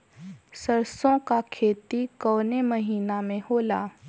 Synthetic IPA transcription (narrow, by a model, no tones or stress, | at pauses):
sɐɾsõkakʰeːt̪ikɔːnemɐɦiːnamẽhoːlaː